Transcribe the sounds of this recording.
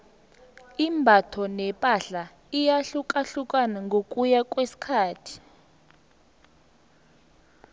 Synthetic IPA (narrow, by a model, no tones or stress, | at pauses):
imbʱatʰɔnɛpʼaɬa | ijaɬukʼaɬukʼanaŋɡʱokʼujak̬ʼwesi̥kʰaːtʰi̥